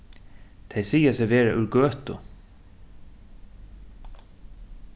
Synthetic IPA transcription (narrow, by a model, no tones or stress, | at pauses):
t̪ʰejsiːjasɛvɛːɾaʔʉɾɡøːht̪ʊ